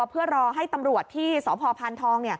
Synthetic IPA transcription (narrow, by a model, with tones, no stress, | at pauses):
pʰɯ˥˩ɐɾɔː˧ɦa˥˩jt̪a˧mɾu˨˩ətt̪ʰːiː˥˩sɔː˩˦pʰɔː˧pʰaː˧nt̪ʰɔː˧ŋni˥˩ə